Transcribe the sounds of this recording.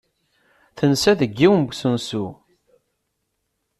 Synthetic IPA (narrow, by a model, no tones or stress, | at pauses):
θənsæðəɡːiwmɡʷsənsu